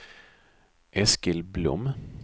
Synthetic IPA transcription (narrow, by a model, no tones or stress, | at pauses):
ʔɛskəlblʊ̰m